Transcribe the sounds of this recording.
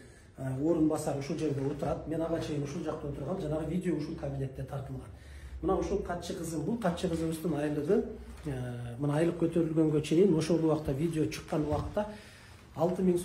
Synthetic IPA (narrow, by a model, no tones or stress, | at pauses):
əwo̞ɾənbɑsɑɾʊʃulˠʒe̞ɾd̪ʲe̞wo̞t̪əɾɑd̪əme̞nɑʁɑt͡ʃʰe̞jɪnʊʃʊlˠʒɑq̚t̪ɑwo̞t̪əɾʁɑnʒɑnɑʁəvʲijd̪ʲeo̞ʊʃʊlˠkʰabinʲe̞t̪ːe̞t̪ʰɑɾt̪əlˠʁɑn | mənɑwʊʃulˠqʰɑt̪ʃəqʰəzəmbʊlˠqʰɑt̪ʃəqʰəzəmɪzd̪ɪŋɑjlˠəʁəəmənɑɑjlˠəq̚kʲʰɵt̪e̞ɾɪlɡʲe̞ŋɡʲe̞t͡ʃʰe̞jɪnwo̞ʃold̪ˠəwɑqət̪ːɑvʲijd̪ʲeoʃʰə̥qːɑnwɑqə̥t̪ːɑ | ɑlˠt̪əməŋs